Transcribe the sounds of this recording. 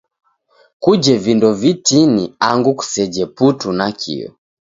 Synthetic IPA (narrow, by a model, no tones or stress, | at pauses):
kud͡ʒɛvindɔvitiniaŋɡuku̥sɛd͡ʒɛputunakʰḭɔ̰